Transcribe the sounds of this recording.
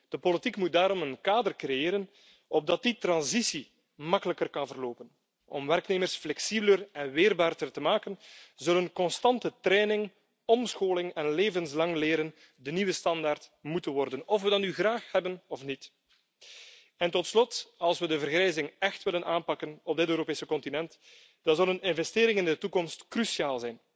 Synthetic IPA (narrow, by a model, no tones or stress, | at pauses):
d̥əpolitikmut̚daːɾɔmənkaːdərkrejeːɾən | ɔb̚dɑt̚ditrɑnzisi | mɑkələkərkɑnvərloːpən | ɔ̰mʋɛrkneːmərsflɛksibələrɛnʋeːrbaːrdərtəmaːkənzɵlənkɔnstɑntətɾɛːnɪŋ | ɔmsxoːlɪŋɛnleːvənslɑŋleːɾən | dəniwəstɑndaːrtmutənwɔrdənɔfʋədɑnːyɣraːxhɛbənɔfnit | ɛntɔtslɔtɑlˠswədəvərɣɾɛjzɪŋɛxtʋɪlənʔaːnpɑkənɔb̚dɪtøːɾopeːsəkɔntinɛnt | d̥ɑnzɑlˠənɪnvɛsteːɾɪŋɪndətukɔmstkrysiaːlˠzɛjn